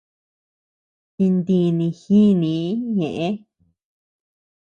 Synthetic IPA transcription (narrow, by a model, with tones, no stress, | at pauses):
ti˧nd̪ĩ˧nĩ˧xĩ˦nĩ˨˦ɲẽ˨ʔẽ˧˦